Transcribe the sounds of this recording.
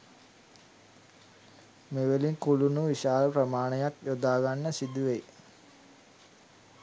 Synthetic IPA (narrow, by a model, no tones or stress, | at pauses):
meʋeliŋkulunuʋiʃaːləprəmaːɳəjakjod̪aːɡanːəsid̪uʋej